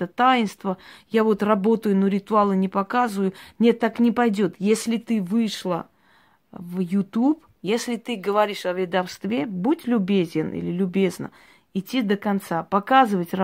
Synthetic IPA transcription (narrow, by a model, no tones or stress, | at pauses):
t̪ət̪ajɪnst̪vəjavo̞t̪rɐbo̞t̪əjʊnoɾʲɪt̪ʊalˠɨnʲɪpɐkazɨvəjʊnʲe̞t̪ːaknʲɪpɐjdʲo̞t̪jesʲlʲɪt̪ɨvɨʂlˠə | vjʊt̪up | jesʲlʲɪt̪ɨɡəvɐɾʲiʂɐvʲɪd̪ɐfst̪vʲebutʲlʲʊbʲezʲɪnḭlʲɪlʲʊbʲe̞znə̰ | ɪtʲːid̪əkɐnt̪sapɐkazɨvətʲr